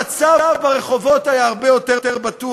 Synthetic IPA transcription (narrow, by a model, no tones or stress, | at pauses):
at͡savbaʁeχo̞vo̞t̪ajaaʁbejo̞teteʁbatu